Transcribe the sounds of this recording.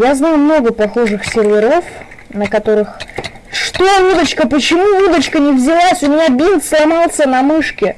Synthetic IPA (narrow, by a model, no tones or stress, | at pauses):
jaznajʊmno̞ɡəpɐxo̞ʐɨxsʲɪrvʲɪɾo̞f | nəkɐt̪o̞ɾɨx | ʂt̪ovud̪ət͡ɕkəpət͡ɕɪmuvud̪ət͡ɕkənʲɪvzʲɪlˠasʲʊmʲɪnʲabʲint̪slˠɐmɑlˠsʲənɐmɨʂkʲɪ